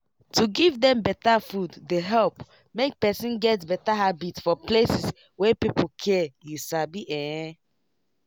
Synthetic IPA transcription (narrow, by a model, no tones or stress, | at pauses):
tuɡivdɛ̃mbɛtafudːeɦɛlp | mek̚pɛsĩnɡɛtbɛtaɦabitfɔplesis | wɛpipokʰɛjusabiʔɛ̃ɛ̃